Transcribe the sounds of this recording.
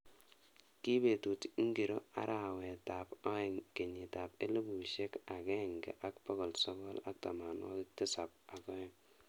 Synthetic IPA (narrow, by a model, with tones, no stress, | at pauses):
ki˦be˨tu˨tŋ˦ɡi˨ɾo˦a̰˦ɾʔa˨we˨ta˨pɔ˦ɛ˨ŋke˨ɲi˨ta˨pe˦le˦bu˨ʃe˦ka˨ɡe˦˨ŋɡḛ˨ʔa˦kpɔ˦ɡɔ˨lsɔ˦ɡɔ˦la̰˦k̚ta˨ma˨nwɔ̰˦ktɪ˦sa˨p̚a˨ɡɔ˦ɛ˦˨ŋ